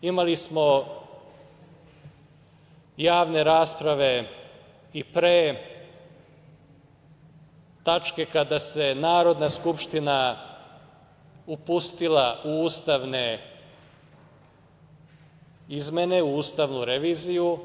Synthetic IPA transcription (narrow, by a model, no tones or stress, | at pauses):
imalismo̞ | jaːʋne̞ɾaːspɾaʋe̞ | ipɾeː | t̪at͡ʃke̞kad̪ase̞naːɾo̞d̪naskupʃt̪ina | upust̪ilaʔuuːst̪aʋne | izme̞ne̞uuːst̪aʋnuɾeʋiːziju